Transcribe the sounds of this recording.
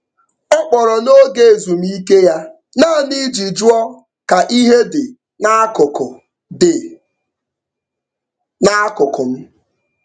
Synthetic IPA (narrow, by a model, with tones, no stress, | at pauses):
ɔ˦k͡pɔ˨ɾɔ˨no˦ɡe˨e˨zu˨m̩˦i˦ke˦ja˦ | naː˦˨ni˦d͡ʒi˨d͡ʒu˦ɔ˦ | ka˨ʔi˦ɦe˦dɪ˨ | na˦kʊ˨kʊ˨ | dɪ˨ | na˦kʊ˨kʊ˨m̩˦